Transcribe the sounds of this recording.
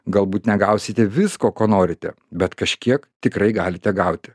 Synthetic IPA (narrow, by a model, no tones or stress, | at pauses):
ɡɐlˠbuːt̪nʲɛɡɐʊsʲɪt̪ʲɛʋʲɪskoːkoːnoːɾʲɪt̪ʲɛ | bʲɛt̪kɐʃʲkʲiɛkt̪ʲɪkɾɐɪɡɑːlʲɪt̪ʲɛɡɐʊt̪ʲɪ̥